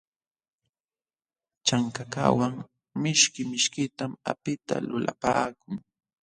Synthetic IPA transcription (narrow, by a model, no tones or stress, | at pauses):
t͡ʃaŋkaka̰waŋ | mɪʃkɪmɪʃkɪt̪ama̰pɪt̪a̰lʊla̰paːkʊŋ